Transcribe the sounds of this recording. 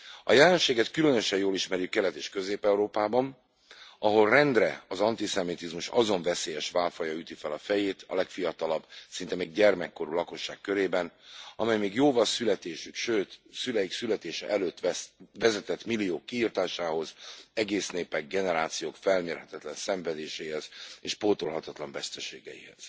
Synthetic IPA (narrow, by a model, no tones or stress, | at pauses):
ɒjɛlɛnʃeːɡɛt̪kylø̞nøʃɛjjoːliʃmɛɾjykkɛlɛt̪eːʃkø̞zeːpɛuɾoːpaːbɒn | ɒɦo̞lrɛnd̪rɛɒzɒnt̪isɛmit̪izmuʃɒzo̞ɱvɛseːjɛʃʋaːlfɒjɒyt̪ifɛlɒfɛjeːt̪ɒ̰lɛkfijɒt̪ɒlɒbsint̪ɛmeːɡɟɛrmɛkːo̞ɾulɒko̞ʃːaːkkːøɾeːbɛnɒmɛjmeːɡjoːvɒlsylɛt̪eːʃykʃøːt̪sylɛjiksylɛt̪eːʃɛ̰ʔɛløːt̪ːɛsvɛzɛt̪ɛt̪milːijoːkːiiːrt̪aːʃaːho̞zɛɡeːsneːpɛɡ̚ɡɛnɛɾaːt̪sijoːkfɛlɲeːrhɛt̪ɛt̪lɛnsɛɱvɛd̪eːʃeːihɛz̥eːʃpoːt̪olɦɒt̪ɒt̪lɒɱvɛst̪ɛʃḛːɡɛ̰jḭhɛ̰z̥